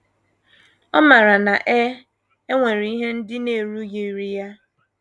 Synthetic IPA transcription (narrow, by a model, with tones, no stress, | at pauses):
ɔ˦ma˨ɾa˨na˨ʔɛ˦ | e˦ŋʷe˨ɾi˨i˦ɦe˦n̩˦dɪ˦ne˨ɾu˦je˨ɾi˨ja˦